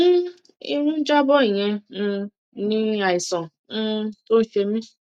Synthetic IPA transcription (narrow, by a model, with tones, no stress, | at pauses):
i˧ɾ̃ũ˦d͡ʒa˦bɔ˦i˨j̃ɛ̃˧ | nĩ˦a˨i˨sɔ̃˨˧ | to˦n̩˦ʃe˧mĩ˦